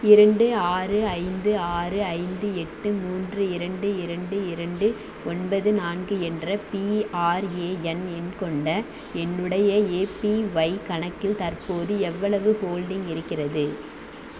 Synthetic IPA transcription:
ɪɾɐɳɖɯaːrɯɐɪnd̪ɯaːrɯɐɪnd̪ɯɛʈːɯmuːndrɯɪɾɐɳɖɯɪɾɐɳɖɯɪɾɐɳɖɯ | ɔnbɐðɯnaːnɡɯɛndrɐpiaːɾeːɛnɛnkɔɳɖɐ | ɛnːɯɽɐjɐeːpiʋɐɪkɐɳɐkːɪlt̪ɐrpoːðɯɛʋːɐɭɐʋɯhoːlɖɪŋɡɪɾɯkːɪrɐðɯ

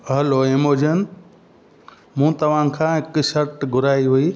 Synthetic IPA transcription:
ɦɐloemoːd͡ʒən | mũt̪ɐʋ̤ãkʰãːɦɪkʃɐɾʈɡʱʊɾaːiɦuiː

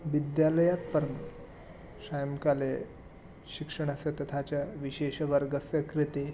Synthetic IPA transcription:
ʋid̪jaləjat̪̚pəɾn | sajəmkale | ɕikʂəɳ̃əset̪ɐt̪ʰat͡ɕjaʋiɕeɕʋəɾɡəsjəkɾit̪e

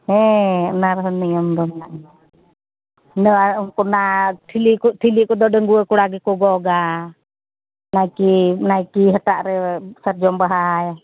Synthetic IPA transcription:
hɛənaɾɦəniɔmd̪ɔmnaʔ | nəaŋkunat̪ʰiliʔkut̪ʰiliʔkudɔdəŋɡuəkuɽaɡikuɡɔɡa | naikinaikiɦət̪aʔɾɛsərd͡ʒɔmbaɦaja

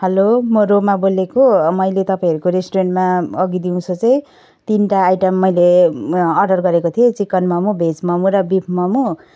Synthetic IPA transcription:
hʌlomʌɾomabolekomʌjlet̪ʌpaĩʌɾukoɾesʈoɾeɳʈmaʌɡid̪iũt͡sʰot͡sʌĩ | t̪inʈaːjʈʌmːʌjleʌrɖʌrɡʌɾekot̪ʰiet͡sikːʌnmʌmubʱed͡zmʌmuɾʌbipʰmʌmu

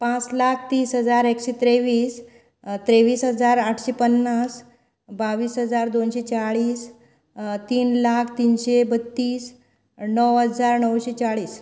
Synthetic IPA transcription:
pãt͡slakʰt̪iːsɦəd͡zaɾekɕet̪ɾeʋiːs | t̪ɾeʋiːsɦəd͡zaɾaʈʰɕepənːas | baʋiːsɦəd͡zaɾd̪onɕet͡ɕaɭiːs | t̪iːnlakʰt̪iːnɕebət̪ːiːs | nəwɦəd͡zaɾnəwɕet͡ɕaɭiːs

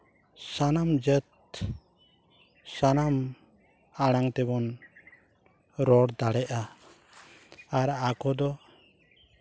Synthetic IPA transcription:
sanamd͡ʒət̪̚ | sanam | aɽ̃aŋt̪ɛbɔn | ɾɔɽd̪aɽɛʔa | ɾakɔd̪ɔ

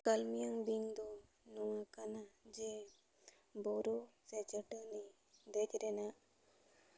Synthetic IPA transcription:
kalmijaŋbiŋd̪ɔ | nɔwakanad͡ʒe | bɔɾuset͡ʃəʈəni | d̪et̪ɾena

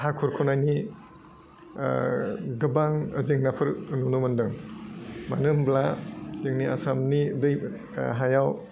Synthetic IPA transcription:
hakʰɔɾkʰɔnajni | ɡɯbaŋəzeŋnapʰɯɾɯnunumɯndɯŋ | ma̰nɯmbladeŋnia̰samnidɯj | ɦajaw

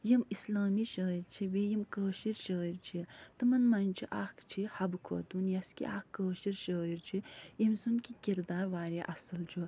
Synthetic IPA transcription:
jɐmislaːmiʃəːiɾt͡ʃʰibejimkəːʃiɾʃəːiɾt͡ʃʰit̪ɨmɐnmɐnʲt͡ʃʰiʔaːkʰt͡ʃʰihɐbkʰo̰ːt̪unjɐskḭʔaːkːəːʃiɾʃəːiɾt͡ʃʰijɐmsunkikʲiɾd̪aːɾʋaːɾiʔɐsɐlt͡ʃʰu

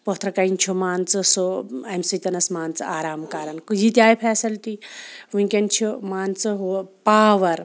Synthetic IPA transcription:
pot̪ʰɾɐkɐint͡ʃʰumaːnt͡sɨsoɐmsit̪ɐnɐsmaːnt͡sɨaːɾaːmkaːɾɐnkujit̪ʲaːjpʰɛːsɐlt̪iʋuŋkʲɐnt͡ʃʰumaːnt͡sɨɦupaːʋɐɾ

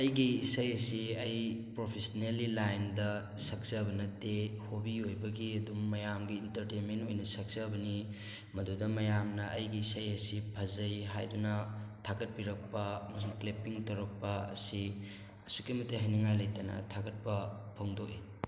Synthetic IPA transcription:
ɐjɡiːsɐjɐsiɐjpɾopʰesɐnelilajndɐ | sɐk̚sɐbɐnɐtːehobiojbɐɡiɐdumːɐjamɡiːntɐɾtejnmentojnɐsɐk̚sɐbɐni | mɐdudɐmɐjamnɐʔɐjɡiːsɐjɐsipʰɐzɐjɦa̰jdunɐtʰaɡɐt̚piɾɐk̚pɐɐmɐsuŋklepiŋtɐɾɐk̚pɐɐ̰si | ɐsukimɐtːeɦɐnɐŋajlɐjtɐnɐ̰tʰaɡɐt̚pɐ | pʰoŋdoʔe

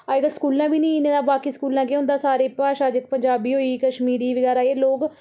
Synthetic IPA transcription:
aːeɡəskuːlãːbiːnĩːɪnẽːd̪aːbaːkiːskuːlãːk̬eɦʊ̃nd̪aːsaːɾeːpaːʃaːd͡ʒɪk̚pəɲd͡ʒaːbiːɦoːiːkəʃmiːɾiːʋəɡɛːɾaːeːloːɡ

